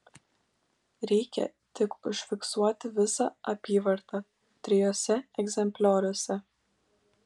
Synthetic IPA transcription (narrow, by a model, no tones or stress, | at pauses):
ɾikʲɛ̰ | t̪əkəʃfiksuat̪əvisaapivəɾt̪a | t̪ɾijɔsɛɛɡzɛmplɔɾɛsɛ